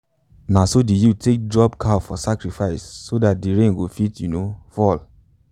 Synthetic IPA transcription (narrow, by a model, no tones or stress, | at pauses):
nãsodijutek̚dɹɔbkafɔsakɹifaɪsːodat̚diɹẽnɡofitjunofɔl